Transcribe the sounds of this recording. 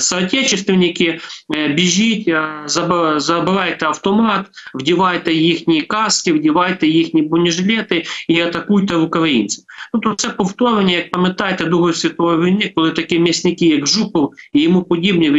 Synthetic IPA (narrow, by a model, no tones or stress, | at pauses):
sɐːtʲet͡ʃɪst̪ʋʲɪnʲɪkʲɪbʲɪʒʲitʲzɐzɐbɪʋɑjt̪ɛɐwt̪ɔmɑt̪wdʲɪʋɑjt̪ɛjixnʲijikɑskʲɪwdʲɪʋɑjt̪ɛjixnʲijbʊnʲɪʐlʲɛt̪ɪiɐt̪ɐkujt̪ɛʋʊkɐʋɐḭnʲt͡s̪ʲɪnut̪ut̪sɛpʊft̪oɾʋnʲɛjɐk̚pɐmʲɪt̪ɑjt̪ɛd̪uɣɐsʲʋʲɐt̪ojɐʋʲɪlʲnɪk̚kɔlˠɪt̪ɐkʲimʲɪsʲnʲɪkʲijɐɡʒupɔwijɪmupʊdʲibnʲɪʋ